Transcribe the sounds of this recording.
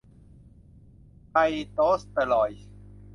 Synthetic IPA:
ka˧jt̪oː˦˥st̪ə˨lɔː˨˩j

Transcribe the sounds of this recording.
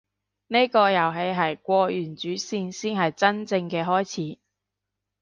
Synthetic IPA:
ne˥jkɔː˧jɐ˨˩wɦe˨˧jɦɐ˨˩jkʷɔː˧jyː˨˩nt͡ʃyː˨˥siː˧nsiː˥nɦɐ˨jt͡sɐ˥nt͡sɪ˧ŋkɛː˧ɦɔː˥jt͡sʰiː˨˥

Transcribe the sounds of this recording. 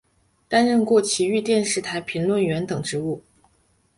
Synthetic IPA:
t̪a˥nɻə˥˧nkwɔ˥˩t͡ɕʰi˧˥y˥˧t̪jɛ˥˧nʂɻ̩˥˩t̪ʰa˧˥ɪpʰi˧˥ŋlwə˥˩nɥɛ˧˥nt̪ɤ˨˩ŋʈ͡ʂɻ̩˧˥u˥˩

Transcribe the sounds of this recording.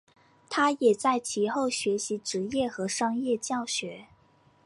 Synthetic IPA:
t̪ʰa˥jɛ˨˩t͡sa˥˩ɪt͡ɕʰi˧˥xo˥˩ʊɕɥɛ˧˥ɕi˧˥ʈ͡ʂɻ̩˧˥jɛ˥˩xɤ˧˥ʂɑ˥ŋjɛ˥˧t͡ɕjɑ˥˩ʊɕɥɛ˧˥

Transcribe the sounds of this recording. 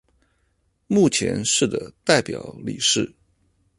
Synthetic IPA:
mu˥˩t͡ɕʰjɛ̰˧˥nʂɻ̩˥˩d̪ə˩t̪a˥˩ɪpjɑ˨˩ʊlḭ˨˩ʂɻ̩˥˩

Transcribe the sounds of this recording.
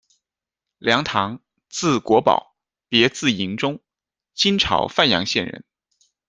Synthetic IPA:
ljɑ˧˥ŋt̪ʰɑ˧˥ŋ | t͡sɹ̩˥˩kwɔ˧˥pɑ̰˨˩˦ʊ | pjɛ˧˥t͡sɹ̩˥˩i˧˥ŋʈ͡ʂʊ˥ŋ | t͡ɕi˥nʈ͡ʂʰɑ̰˧˥ʊfa˥˩njɑ̰˧˥ŋɕjɛ˥˩nɻə̰˧˥n

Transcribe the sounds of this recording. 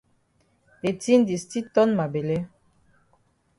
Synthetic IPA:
e˨ti˦ndi˨sti˦t̪ɔ˦nma˨be˨le˦

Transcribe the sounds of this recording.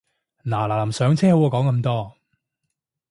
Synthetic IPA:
naː˨˩laː˨lɐ˨˩msœː˨˧ŋt͡sʰɛː˥ho˨˥wɔː˧kɔː˨˥ŋkɐ˧mt̪ɔː˥

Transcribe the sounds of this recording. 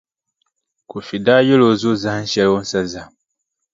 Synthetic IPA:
ku˨fi˨daː˦jo˦lo˨zu˦zã˦n̩˦ʃɛ˦lwo˦n̩˦sa˦za˨

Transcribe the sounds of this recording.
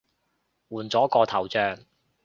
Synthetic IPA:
wuː˨˩nt͡sɔː˨˥kɔː˧t̪ʰɐ˨˩wt͡sœː˧ŋ

